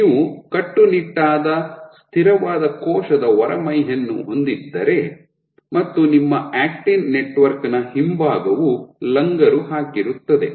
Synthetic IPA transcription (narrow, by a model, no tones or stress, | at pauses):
niːʋukɐʈːuniʈːaːd̪ɐst̪ʰiɾɐʋaːd̪ɐkɔːʃɐd̪ɐʋɔɾɐmɐjɦɐnːṵɦo̞nd̪id̪ːɐɾe̞ | mɐt̪ːunimːɐʔaːkʈinneʈʋɐɾknɐhimbaːɡɐʋulɐŋɡɐɾuɦaːkiɾut̪ːɐd̪e̞